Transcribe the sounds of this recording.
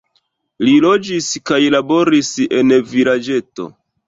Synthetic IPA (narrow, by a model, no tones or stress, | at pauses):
lilo̞d͡ʒiskajlabo̞ɾise̞nvilad͡ʒe̞to̞̰